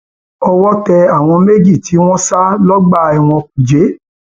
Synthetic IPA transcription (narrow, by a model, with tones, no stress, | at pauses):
ɔ˧wɔ˦tɛ˧a˦˨w̃ɔ̃˧me˦d͡ʒi˦˨ti˨˦w̃ɔ̃˦sa˦lɔ˦ɡ͡ba˦˨ɛ˨w̃ɔ̃˧ku˨d͡ʒe˨˦